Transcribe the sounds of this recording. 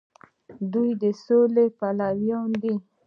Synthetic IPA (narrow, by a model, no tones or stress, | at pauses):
d̪ujd̪esolepalawjɔ̃nd̪i